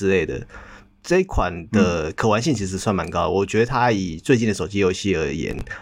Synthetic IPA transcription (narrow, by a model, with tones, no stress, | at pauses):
ɻ̩˧le˥˩ɪd̪ə̰˩ | ʈ͡ʂɤ˥˧i˥kʰwa˨˩nd̪ə˨˦kʰɤ˨˩wa˧˥nɕi˥˩ŋt͡ɕʰi˧˥ʂ̬ɻ̩˧˥swa˥˩nma˧˥nkɑ˥ʊd̪ə˧wɔ˨˩t͡ɕɥɛ˧˥d̪ə˧t̪ʰa˥i˨˩t͡swe˥˧ɪt͡ɕi˥˩nd̪ə˩ʂo˨˩ʊt͡ɕi˥jo˧˥ʊɕi˥ə˞˧˥jɛ̰˧˥n